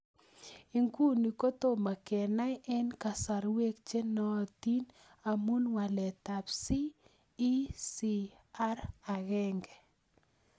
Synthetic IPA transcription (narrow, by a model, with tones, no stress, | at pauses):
i˨ŋku˦ni˨ko˦t̪o˦˨ma˨kɛ˨na˦jʔɛ˦nka˨sa˨ɾwe˦k̚t͡ʃe˦nɔ˦˨t̪i˦n | a˨mu˦nwa˨lɛ˨t̪a˨psiː˦ | si˦ | a˦ɾa˨ɣɛ˦ŋɡɛ˨